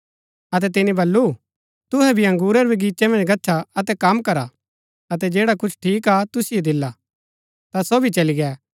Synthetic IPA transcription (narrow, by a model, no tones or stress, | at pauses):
ɐt̪̬ɛt̪ɪnĩbɐlːu | t̪ʊɦɛbʱiɐ̃ŋɡuːɾɛɾbʱiɡiːt͡ʃemɐ̃nd͡ʒɡɐtːt͡ʃʰaɐt̪ɛkɐmkɐɾa | ɐt̪ɛd͡ʒeːɽakʊt͡ʃʰʈʰiːk̬at̪ʊsiod̪ɪlːa | t̪asobʱit͡ʃɐliɡɛː